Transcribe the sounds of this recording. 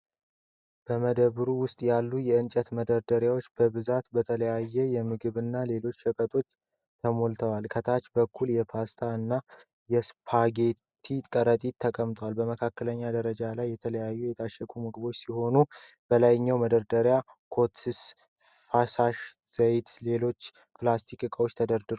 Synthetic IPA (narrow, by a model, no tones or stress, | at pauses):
b̥əməd̪əβɾuwʊst̪ʼjalːujɛɨnt͡ʃʼət̪məd̪əɾd̪əɾjawo̞t͡ʃːbəβɨzat̪bət̪ʰələjajːɛjɛmɨɡɨβɨnːale̞lo̞t͡ʃːəkʼət̪ʼo̞t͡ʃː | t̪ʰəmo̞lt̪ʰəwalkʰət̪ʰat͡ʃbəkʰːuljɛpʰast̪ʰaɨnːa | jɛspʰaɡe̞tt̪ʰit̪ʼkʼəɾət̪ʼit̪ʰːəkʼəmt̪ʼwalbəməkʰakːələɲːad̪əɾəd͡ʒalajːɛt̪ʰələjajːujɛt̪ʰaʃːɛkʰumɨɡɨbo̞t͡ʃːsiho̞nub̥əlajɲːawməd̪əɾd̪əɾja | kʰo̞t̪ʰis | fasaʃ | z̥əjt̪le̞lo̞t͡ʃː | pʰlast̪ʰikʼɨkʼəwot͡ʃːt̪ʰəd̪əɾd̪ɨɾ